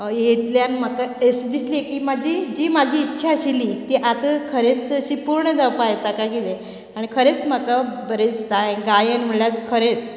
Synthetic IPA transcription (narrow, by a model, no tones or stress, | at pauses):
jet̪ljanməkaesd̪islekiːmad͡ʑʱid͡ʑiːmad͡ʑʱiːtːɕʰaəɕilit̪iʔat̪əkʰəɾet͡səɕiːpuɾɳəd͡zawpajt̪akakid̪e | aɽ̃ikʰəɾet͡sməkabəɾed͡zt̪aẽɡajənm̤əɭjat͡skʰəɾet͡s